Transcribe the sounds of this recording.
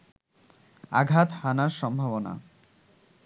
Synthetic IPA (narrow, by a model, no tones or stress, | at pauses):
a̰ɡʱat̪hanaɾʃɔmbʱabona̰